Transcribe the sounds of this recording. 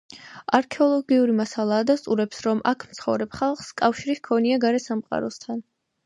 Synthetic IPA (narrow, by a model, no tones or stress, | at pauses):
aɾkʰɛɔlˠɔɡiuɾimasalˠaːd̪ast̪ʼuɾɛpsɾɔmʔakʰmt̪sʰχɔ̰vɾɛpχalˠχskʼafʃiɾiskʰɔniaɡaɾɛsamqʼa̰ɾɔst̪ʰan